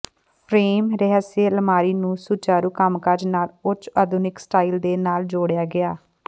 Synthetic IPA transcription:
pʰɾeːmɾɛɦəseːləmaːɾiːnũːsuːt͡ʃaːɾuːkəmkaɾd͡ʒnaːlʊt͡ʃəd̪ʊnɪksʈaːiːld̪eːnaːld͡ʒoːɽjaːɡɪaː

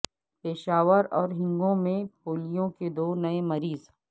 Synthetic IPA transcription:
peːʃaːʋəɾɔːɾɦɪ̃ŋɡõmẽpoːlijõked̪oːnɐemɐɾiːz

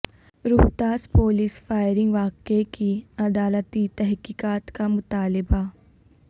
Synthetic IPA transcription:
ɾʊɦt̪aːspoːliːsfaːɪɾɪ̃ŋɡʋaːkekiɐd̪aːlət̪it̪ɛɦkiːkaːt̪kamʊt̪aːlɪba

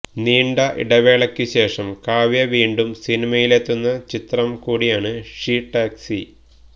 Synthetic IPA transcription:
niːɳɖɐʔḭɽɐʋe̞ːɭɐkʲːɨɕe̞ːʂɐmkaːʋjɐʋiːɳɖumsinimɐjile̞t̪ːunːɐt͡ɕit̪rɐmkuːɽijaːɳɨʂiːʈːaːksi

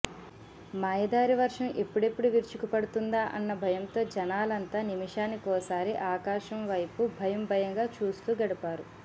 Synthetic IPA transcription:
maːjɐd̪aːɾiʋɐɾʂɐmʔe̞pːuɽe̞pːuɽuʋiɾt͡ʃukupɐɽut̪und̪aːʔɐ̰nːɐbʱɐjɐnt̪o̞ːd͡ʒɐnaːlɐnt̪aːnimiʂaːnikɔːsaːɾiʔaːkaːʃɐmʋɐjpubʱɐjɐmbʱɐjɐŋɡaːt͡ʃuːst̪uːɡɐɽipaːɾu

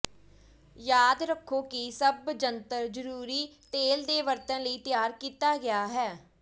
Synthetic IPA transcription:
jaːd̪ɾəkʰːoːkɪsəbd͡ʒənt̪əɾd͡ʒəɾuːɾiːt̪eːld̪eːʋəɾt̪ənləiːt̪ɪjaːɾkiːt̪aːɡɪjaːɦɛː

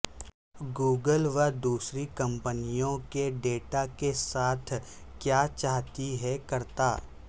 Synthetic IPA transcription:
ɡuːɡəlʋəd̪uːsɾikɐ̃mpənijõkeɖeːʈakesaːt̪ʰ | kjaːt͡ʃaːɦt̪iɦɛkɐɾt̪aː

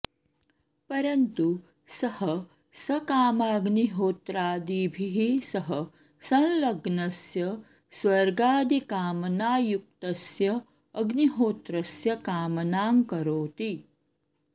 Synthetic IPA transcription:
pɐɾɐnt̪u | sɐhɐ | sɐkaːmaːɡniɦoːt̪ɾaːd̪iːbʱiɦisɐɦɐ | sɐ̃nlɐɡnɐsjɐ | sʋɐɾɡaːd̪ikaːmɐnaːjuk̚t̪ɐsjɐː | ɡniɦoːt̪ɾɐsjɐkaːmɐnaːŋkɐɾoːt̪i

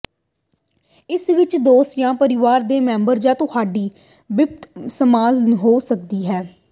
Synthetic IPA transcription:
ɪsʋɪt͡ʃd̪oːsjãːpəɾɪʋaːɾd̪eːmɛ̃ːmbəɾd͡ʒãːt̪ʊhaːɖiː | ʋɪpt̪səmaːlɦoːsək̚d̪iːɦɛː

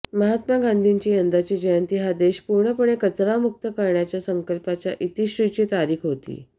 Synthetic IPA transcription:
məɦat̪maɡand̪ʱiɲt͡ɕiːjənd̪at͡ɕiːd͡ʑəjənt̪iɦad̪eɕpuɾɳəpəɽekət͡sɾamuk̚t̪əkəɾɳjat͡ɕjasəŋkəlpat͡ɕjaʔit̪iɕɾit͡ɕiːt̪aɾiːkɦot̪ḭː

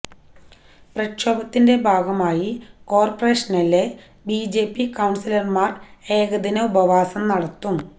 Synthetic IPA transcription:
prɐkɕoːbɐt̪ːinde̞bʱaːɡɐmaːjiko̞ːrpɐreːʂɐnɐlːe | biːd͡ʑe̞ːpːikɐwɳsilɐrmaːre̞ːɡɐd̪inɐubɐʋaːsɐmnɐɽɐt̪ːum

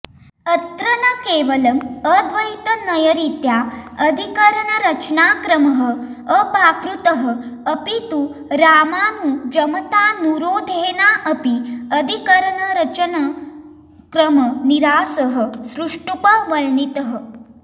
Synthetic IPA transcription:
ɐt̪ɾɐnəkeːʋɐlɐməd̪ʋɐjit̪ənɐjəɾit̪jaɐd̪ʱikəɾəɳɐɾɐt͡ʃnaːkɾɐməɦəəpaːkɾut̪əɦəːpit̪u | ɾaːmaːnud͡ʒɐmɐt̪aːnuɾoːd̪ʱeːnaːʔɐpiɐd̪ʱikəɾəɳɐɾɐt͡ʃənɐ | kɾəmɐniɾaːsəɦəsɾuʂʈupɐʋɐlnit̪əɦə

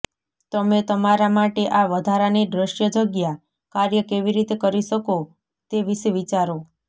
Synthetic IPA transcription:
t̪əmet̪əmaɾamaʈeʔaʋəd̪ʱaɾanid̪ɾəʃjəd͡ʒəɡja | kaɾjəkeʋiɾit̪ekəɾiʃəko | t̪eʋiʃʋit͡ʃaɾo

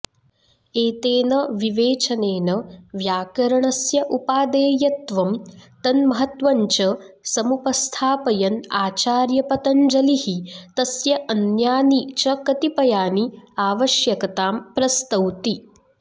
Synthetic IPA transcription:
eːt̪eːnɐʋiʋeːt͡ʃɐneːnɐʋjaːkɐɾɐɳɐsjɐʔupaːd̪eːjɐt̪ʋɐmt̪ɐnmɐɦɐt̪ʋɐɲt͡ʃɐsɐmupɐst̪ʰaːpɐjɐnaːt͡ʃaːɾjɐpɐt̪ɐɲd͡ʒɐlihit̪ɐsjɐʔɐnjaːnit͡ʃɐkɐt̪ipɐjaːniaːʋɐʃjɐkɐt̪aːmpɾɐst̪ɐwt̪i

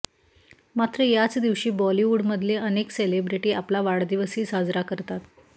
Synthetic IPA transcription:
mat̪ɾəjat͡sd̪iʋɕiːbɔliuɽməd̪ʱleʔənekselebɾiʈiːaplaʋaɽd̪iʋəsiːsad͡zɾakəɾt̪at̪

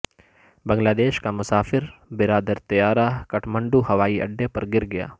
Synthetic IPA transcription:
bɐ̃ŋɡlaːd̪eːʃkamʊsaːfɪɾbɪɾaːd̪əɾt̪ɐjaːɾakɐʈʰmɐ̃ɳɖuːhɐʋaːiɐ̰ɖːepɐɾɡɪɾɡɐja̰ː

